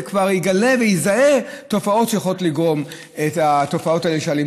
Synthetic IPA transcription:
kvaʁiɡale̞vejizae̞to̞fao̞tʃejaχlotliɡʁo̞m | etato̞fao̞taeleʃealim

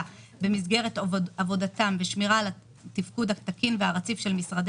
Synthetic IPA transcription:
be̞mizɡe̞ʁetavo̞datamveʃmiʁala | tifkudhat̪akinveaʁat͡sifʃe̞lmisʁad̪

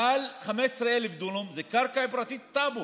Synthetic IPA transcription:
alχamesʁeelivd̪ulumzekaʁkaepɾat̪it̪ːabu

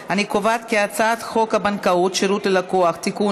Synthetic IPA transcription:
hanikovat̪keat͡sat̪xo̞khabankautʃeɾutlelakoaχt̪iku

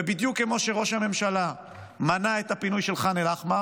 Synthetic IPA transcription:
ebid̪jukːemo̞ʃeʁo̞ʃhame̞mʃala | manaet̪apinujʃelχanelaχma

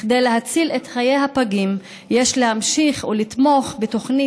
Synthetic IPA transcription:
χd̪ejleɦat͡silet̪χajejhapaɡim | jeʃlehamʃiχulit̪mo̞χbet̪o̞χni

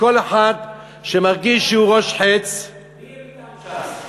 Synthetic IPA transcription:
ko̞leħad̪ | ʃemaʁɡiʃʃeuʁoʃħet͡s

